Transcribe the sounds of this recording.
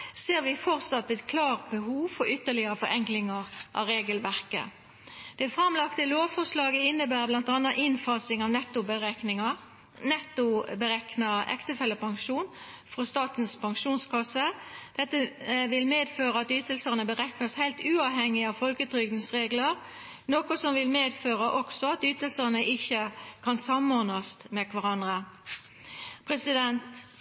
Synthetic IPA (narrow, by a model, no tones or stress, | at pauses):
seːʁʋɪfɔʁt̪sɑt̪ːɛt̪kʰlɑːʁt̪̚bəhuːʋfɔɾʏt̪ːəlɪəʁəfɔʁɛŋklɪŋɑʁʔɑ̰ɾeːɡəlʋæʁkə̰ | d̪̥ɛːfʁɑmlɑkt̪əloːʋfɔʁʂlɑːɡəɪnːəbæːʁblɑnt̪ɑnːɑʔɪnfɑːsɪŋɑʋnɛt̪ːʊbəʁɛknɪŋɑ | nɛt̪ʊbəɾɛknɑʔɛ̰kt̪əfɛlːəpɑŋʃuːn | fʁɔst̪ɑːt̪nspʰɑŋʂuːnskʰɑsːəd̪̥ɛt̪ːəʋɪlmeːd̪føːʁəɑt̪ʏːt̪əlsəʁnəbəʁɛknɑshæɪlt̪ʉːɑʋhɛŋːɪɑʋfɔlkət̪ʰɾʏɡd̪n̩sʁeːɡləʁ | noːkʊsɔmʋɪlmeːd̪føːʁəʔɔksɔɑt̪yːt̪əlsəʁnəʔɪçəkʰɑnsɑmɔʁnɑst̪mɛkʰʋɑʁɑnd̪ʁə | pʰʁɛsɪd̪ɛnt̪